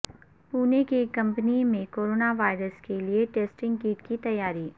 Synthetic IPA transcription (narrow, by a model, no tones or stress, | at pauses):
puːnekekɐ̃mpənimẽkoːɾoːnaʋaːɪɾəskelieʈeːsʈɪ̃ŋɡɡiːʈkit̪ɐjːaːɾiː